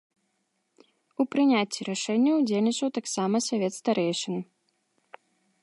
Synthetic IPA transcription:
upɾɨnʲat͡sʲːiɾaʂɛnʲːɐud͡zʲelʲnʲit͡ʂɐwt̪aksamɐsavʲɛt̪st̪aɾɛjʂɨnɨ

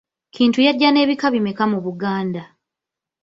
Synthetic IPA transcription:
kʰiːntujaɟːane̞ːβikaβimekamuβuɡaːnda

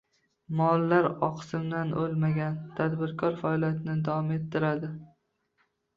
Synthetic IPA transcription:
mɒlˠːaɾɒqsɪmd̪anʔolˠmaɡʲant̪ʰad̪bɪɾkʰɒɾfaɒlˠijat̪ʰɪnɪd̪avɒme̞t̪ʰːɪɾad̪ɪ

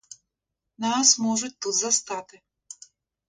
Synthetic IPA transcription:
nasmɔʐut͡sʲt̪ut̪zɐst̪at̪ɨ

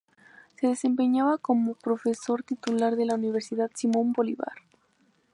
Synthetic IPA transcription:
se̞ðe̞se̞mpe̞ɲaβako̞mo̞pɾo̞fe̞so̞ɾt̪it̪ulaɾðe̞launiβ̞e̞ɾsiðaðsimõ̞mbo̞liβa̰ɾ

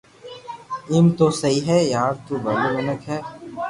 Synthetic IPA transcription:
ɪmt̪osɐɦiɦɛjaːɾt̪uːbɐlomɐnəkɦɛː

